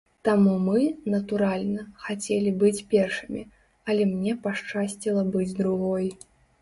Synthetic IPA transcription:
t̪amumɨnɐt̪uɾalʲnɐxat͡sʲelʲibɨt͡sʲpʲɛrʂɨmʲḭ | ɐlʲɛmnʲɛpaʂt͡ʂasʲt͡sʲilˠɐbɨd͡zʲd̪ɾuɣɔj

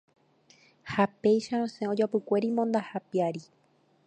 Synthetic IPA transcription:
hape̞jʃaɾõsẽo̞d͡ʒapɨkʷe̞ɾimõ̞nd̪ahapiaɾi

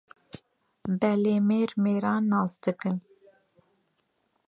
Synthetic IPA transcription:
bɛleːmeːɾmeːɾɑːnːɑːsd̪ɨkɨn

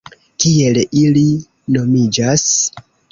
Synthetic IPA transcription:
tie̞lili | no̞mid͡ʒas

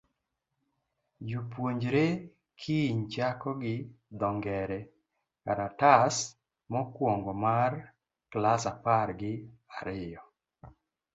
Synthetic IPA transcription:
d͡ʒupwoɲd͡ʒɾe | kʰiɲt͡ʃakɔɡɪd̪ɔŋɡɛɾɛ | kaɾatas | mɔkwoŋɡɔmar | klasaparɡɪaɾɪjɔ

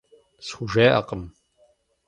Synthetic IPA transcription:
sxʷʊʒeːʔɐ̰qəm

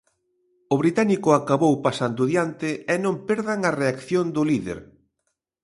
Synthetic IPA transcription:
ʊβɾit̪anikʊakaβowpasand̪ʊðjant̪ɪɛnõmpeɾðaŋareakθjond̪ʊliðḛɾ

